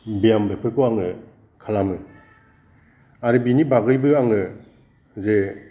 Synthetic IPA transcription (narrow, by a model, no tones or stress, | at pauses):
bijambepʰɯɾkoaŋɯ | kʰalamɯ | aɾɯbinibaɡɯjbɯaŋɯ | ze